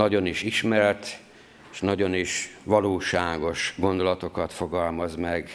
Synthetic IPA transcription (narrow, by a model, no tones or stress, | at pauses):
nɒɟo̞niʃiʃmɛrt̪ | eʃnɒɟo̞niʃʋɒloːʃaːɡo̞ʃɡo̞nd̪o̞lɒt̪o̞kɒt̪foɡɒlmɒzmɛɡ